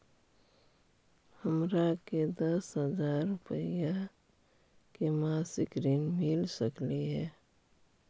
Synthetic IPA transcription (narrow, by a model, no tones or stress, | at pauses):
həmɾaked̪əsɦəd͡ʒaːɾupəja | kemaːsɪkɾinmɪlsəkliɦɛː